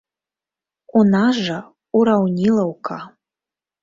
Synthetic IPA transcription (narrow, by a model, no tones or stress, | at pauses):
unaʐa | uɾawnʲilˠɐwkʰa